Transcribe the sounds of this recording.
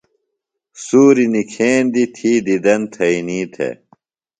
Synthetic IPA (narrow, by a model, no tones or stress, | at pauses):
suːɾinikʰeːnd̪it̪ʰiːd̪id̪ɐnt̪ʰɐiniːt̪ʰḛ